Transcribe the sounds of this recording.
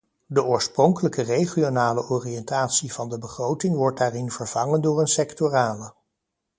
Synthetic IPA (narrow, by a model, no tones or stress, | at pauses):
dəʔʊːɹsprɔŋkələkərejχionaːləʔɔːriɛntaːtsivɑndəbəχrowtɪŋʋɔɹt̚daːrɪnv̥əɹv̥ɑŋəndʊːɹənsɛktoraːlə